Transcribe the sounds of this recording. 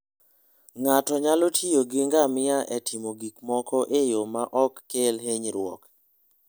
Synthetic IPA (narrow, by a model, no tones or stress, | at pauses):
ŋatɔɲalotʰioɡɪŋɡamɪaʔɛtʰimoɡikmɔkɔʔejomaʔɔkːelɦeɲɾwɔ̰k